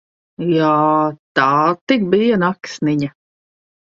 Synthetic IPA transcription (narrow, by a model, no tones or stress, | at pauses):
jaːt̪aːt̪ik̚bijanaksniɲa